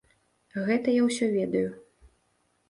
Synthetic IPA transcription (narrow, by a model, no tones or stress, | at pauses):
ɣɛt̪ɐjawsʲɔvʲɛd̪ɐju